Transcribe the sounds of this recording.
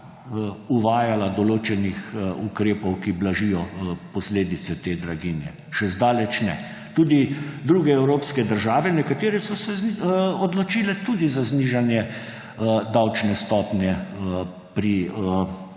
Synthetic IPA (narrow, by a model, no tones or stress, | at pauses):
uʋaːjalad̪ɔloːt͡ʃɛnixukɾeːpɔwkiblaʒijɔpɔsleːd̪it̪sɛt̪eːd̪ɾaɡinjɛ̰ | ʃɛzd̪aːlɛt͡ʃnɛ̰ | t̪ud̪id̪ɾuːɡɛɛwɾoːpskɛd̪əɾʒaːʋɛnɛkat̪eːɾɛsɔsɛɔd̪lɔt͡ʃiːlɛt̪ud̪izazniʒanjɛ | d̪awt͡ʃnɛst̪ɔːpnjɛ | pɾiə